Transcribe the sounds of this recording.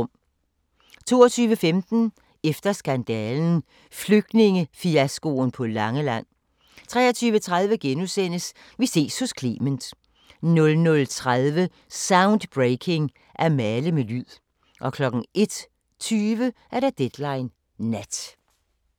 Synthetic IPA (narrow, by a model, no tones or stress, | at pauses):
m | t͡sʰo̝̰ːɐt͡sʰyːʋəfemd̥n̩ | efd̥ɐsɡ̥ænd̥ɛːln̩ | fløɡ̥̚d̥ne̝ŋəfiæsɡ̥o̝npʰɒ̽lɑ̈ŋəlæn̰ | t͡sʰʁɛːɐt͡sʰyːʋət͡sʰʁað̞ˠʋəɡ̥enusen̰əs | ʋise̝̰ːshɔ̽skʰlḭːmənd̥ | nɔ̽lnɔ̽lt͡sʰʁaðˠʋə | sɑ̈ʊnd̥b̥ʁeɪkʰe̝ŋ | ʔæɐmæləmelyð̰ˠ | ʔɒ̽kʰlɒ̽ɡ̥ŋ̩e̝d̥ | t͡sʰyːʋəʔæɐɾ̥ɑ̈d̥ed̥lɑ̈ɪnː | æd̥